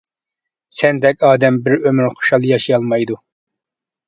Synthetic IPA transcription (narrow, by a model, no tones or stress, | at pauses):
sɛnd̪ɛkʲɑːd̪ɛmbɪɾømyɾχo̥ʃɑlˠjɑʃijɑlˠmɑjd̪u